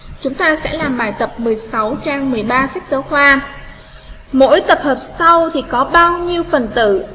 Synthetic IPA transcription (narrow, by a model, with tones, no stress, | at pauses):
t͡ɕʊ˨˦ŋ͡mt̪aː˧sɛ̰˧˥laː˨˩mɓaː˨˩jt̪ə˨˩p̚mɨ˨˩əjsa˨˦wt͡ɕaː˧ŋmɨ˨˩əjɓaː˧sa˦˥k̚zəː˧˦wxwaː˧ | mo̰˧˥jt̪ə˨˩p̚həː˨˩p̚sa˧wt̪ʰi˨˩kɔ˨˦ɓaː˧wɲi˧əwfə˨˩nt̪ɨ̰˧˨